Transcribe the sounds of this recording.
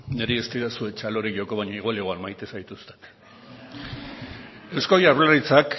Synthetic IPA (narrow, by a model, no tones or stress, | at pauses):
ne̞ɾeest̪iɾasue̞t͡ʃalo̞ɾikʝo̞ko̞βaɲaiɣwaliɣoalmajt̪e̞sajt̪ust̪e̥n | e̞wskojaβlarit͡sak